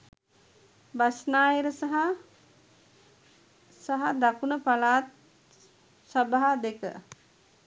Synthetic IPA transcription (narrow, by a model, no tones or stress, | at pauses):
basnaːjeɾəsaɦa | saɦad̪akunəpalaːt̪̚ | səbaɦad̪ekə̰